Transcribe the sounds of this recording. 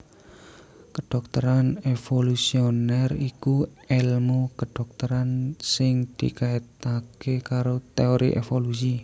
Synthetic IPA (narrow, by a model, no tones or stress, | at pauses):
kəɖ̥ɔk̚t̪əɾanefolusionɛriku | ɛlmokəɖ̥ɔk̚t̪əɾansɪŋd̪̥ḭkait̪akekaɾot̪eoɾḭʔḛfolus̬i